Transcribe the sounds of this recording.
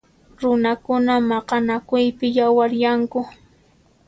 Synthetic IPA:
ɾʊnakʊnamɑqɑnakʊjpɪjawaɾjaŋkʊ

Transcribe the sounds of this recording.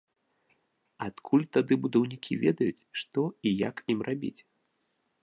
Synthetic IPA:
at̪kʰulʲt̪ad̪ɨbud̪ɐwnʲikʲivʲɛd̪ɐjut͡sʲʂt̪ɔijakimrʔabʲḭt͡sʲ

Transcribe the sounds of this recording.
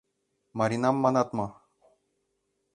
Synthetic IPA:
maɾinamːanat̪ma

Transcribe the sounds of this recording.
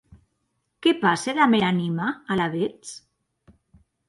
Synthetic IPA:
kepaseðameɾanimaːlaβet͡s

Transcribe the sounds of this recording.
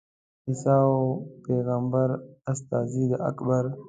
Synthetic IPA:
ɪsaopeːɣambəɾast̪aːzid̪əɐ̰kbəɾ

